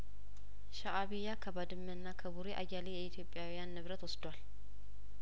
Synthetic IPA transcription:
ʃaʔaβijakʰəbad̪ɨmːənːakʰəbuɾeʔa̰jalejɛit̪ʰjo̞pʼːjawijanːɨβɾət̪wɔsd̪wal

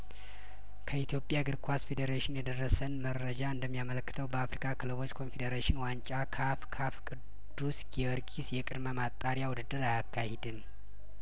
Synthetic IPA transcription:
kʰəit̪ʰjo̞pʼːjaɡɨɾkʰʷasfe̞d̪eɾeʃɪnjɛd̪ərːəsənmərːəd͡ʒaɨnd̪əmːijamələkːɨt̪ʰəwbəafɾikʰʼakʰɨlɨβo̞t͡ʃːkʰo̞nfed̪eɾeʃɪnwant͡ʃʼakʰafkʰafkʼɨ | d̪̥ːusɡɛəɾɡʼisjɛkʼɨd̪məmat̪ʼːaɾjawʊd̪ɨd̪ɨɾajakʰːahed̪ɨm

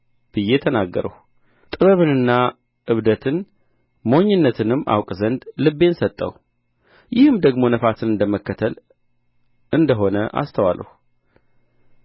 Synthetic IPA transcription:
b̥ɨjːet̪ʰənaɡːə̰ɾə̰h | t̪ʼɨβəβɨnɨnːa | ɨβd̪ət̪ʰɨn | moɲːɪnːət̪ʰɨnɨmːa̰wkʼzənd̪lɨbːe̞nsət̪ʼːə̰w | jɪhɨmd̪əɡmo̞nəfasɨnɨnd̪əməkːət̪ʰəl | ɨnd̪əɦo̞nəʔa̰st̪ʰəwalːə̰hu

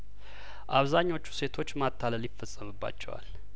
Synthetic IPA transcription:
ʔaβzaɲːo̞t͡ʃːu̥se̞t̪ʰo̞t͡ʃːmat̪ʰːaləljɪfːəsʼːəmɨbːa̰t͡ʃːɛ̰wa̰l

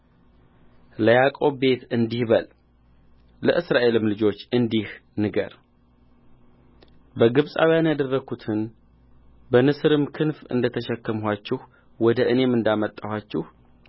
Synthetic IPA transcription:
ləjakʼo̞βbe̞t̪ɨnd̪ihbəl | lə̰ʔɨsɾaʔe̞lɨmlɨd͡ʒo̞t͡ʃːɨnd̪ihnɨɡə̰ɾ | bəɡɨβsʼa̰wjanjad̪ərːəɡut̪ʰɨn | bənɨsɾɨmkʰɨnfɨ̰nd̪ət̪ʰəʃɛkːəmɦʷat͡ʃːɪh | wɔd̪əʔɨne̞mɨnd̪amət̪ʼːahat͡ʃːɪh

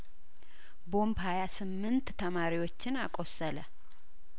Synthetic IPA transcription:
bo̞mbhajasɨmːɨnt̪t̪ʰəmaɾiwo̞t͡ʃːɪnakʼo̞sələ

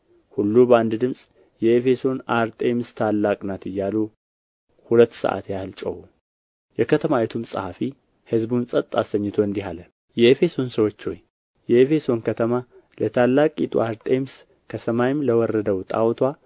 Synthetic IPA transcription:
hulːubəand̪d̪ɨmsʼ | jɛefe̞so̞naɾt̪ʼemst̪ʰalːakʼnat̪ɨjːalu | hulət̪ːsə̰ʔa̰t̪jalt͡ʃʼə̰hu | jɛkʰət̪ʰəmawɛt̪ʰumsʼəhafi | hɨzbunsʼət̪ʼːasəɲːɨt̪ʰo̞ɨnd̪iɦalə | jɛefe̞so̞nsəwot͡ʃːho̞̰j | jɛefe̞so̞nkʰət̪ʰəma | lʔət̪ʰalːakʼit̪ʼṵaɾt̪ʼems | kʰəsəmajɪmləwɔrːəd̪əwt̪ʼa̰wt̪ʰwa

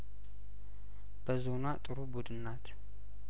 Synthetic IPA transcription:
b̥əzo̞nat̪ʼɨɾubud̪ɨnːat̪ʰ

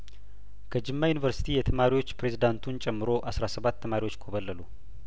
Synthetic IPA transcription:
kʰəd͡ʒɨmːajunivəɾsi̥t̪ʰijɛt̪ʰəmaɾiwo̞t͡ʃːpɾe̞zid̪ant̪ʰunt͡ʃʼɛmːɨɾo̞ʔasɾasəβat̪ʰːəmaɾiwo̞t͡ʃːkʰoβəlːəlu

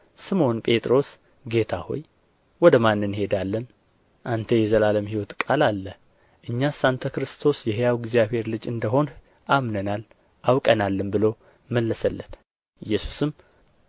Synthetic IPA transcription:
sɨmo̞npʼe̞t̪ʼɾo̞s | ɡe̞t̪ʰaho̞̰j | wɔd̪əmanːɨnhe̞d̪alːən | ʔant̪ʰəjɛzəlaləmhiwɔt̪kʼalalːə | ʔɨɲːasant̪ʰəkɾɨst̪ʰo̞sjɛɦejawɡzijaβhe̞ɾlɨd͡ʒɨnd̪əɦo̞n | ʔamnənal | ʔawkʼənalːɨmbɨlo̞ | məlːəsəlːət̪ | ɨjːɛsu̥sɨm

